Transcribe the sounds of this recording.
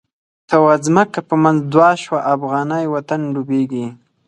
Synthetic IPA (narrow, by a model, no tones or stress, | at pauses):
t̪awazməkapəmanzd̪wɑʃwaʔafɣɑnajwat̪anɖubeɡi